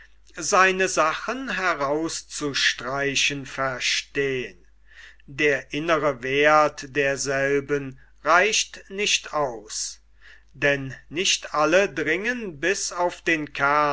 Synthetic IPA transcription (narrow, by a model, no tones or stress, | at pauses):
zaɪnəzaχənɦɛʁaʊst͡suʃtʁ̥aɪɕənfɛɐʃteːən | deːɐʔɪnəʁəveːɐtd̥eːɐzɛlbən | ʁaɪɕtnɪçtʔaʊs | d̥ɛnːɪçtʔalədʁɪŋənbɪsaʊfd̥eːnkʰa